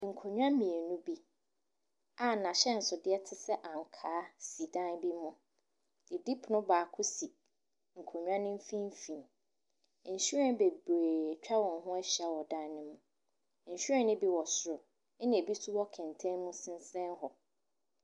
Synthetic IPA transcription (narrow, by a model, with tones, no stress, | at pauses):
ŋ̩˨kʰo˨ɲᶣ˦ã˦mĩ˨e˨nũ˦bi˦ | a˨nã˨ɕɛ˦n̩˨sʊ˨dɪ˦ɛ˦tʰɪ˦sɛ˦ʔã˨ŋ̩˨kʰaː˨˦si˨dã˦nbi˦mʊ̃˦ | d̥ɪ˨di˦pʰnʊ̃˦baː˨kʰʊ˦si˨ | ŋ̩˨kʰo˨ɲᶣ˦ã˦nɪ̃˦m̩˦fĩ˦m˦fĩ˨n̩˨ | ɕu˦ɾɛ̃˦n˦be˨be˨t͡ɕᶣa˦wɔ̃˨nɦʊ̃˦ɛ˦ɕa˦wɔ˨dã˦nnɪ̃˦mʊ̃˦ | ɲ̩˨ɕᶣɾɛ̃˦nɪ̃˦bi˦wɔ˨sʊ˨ɾʊ˨˦ | nɪ̃˨e˨bi˦su˦wɔ˦kʰɛ̃˨ntʰɛ̃˦nmũ˦sɪ̃˦n˦sɛ̃˦nɦɔ˨